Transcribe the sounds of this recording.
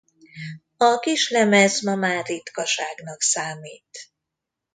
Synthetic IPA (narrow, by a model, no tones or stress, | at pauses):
ɒkiʃlɛmɛzmɒmaːɾit̪kɒʃaːɡnɒksaːmiːt̪